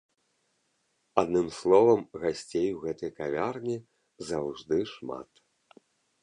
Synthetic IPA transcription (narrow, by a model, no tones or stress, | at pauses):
ad̪nɨmslˠɔvɐmɣasʲt͡sʲejuɣɛt̪ɐjkavʲarnʲi | zawʐd̪ɨʂma̰t̪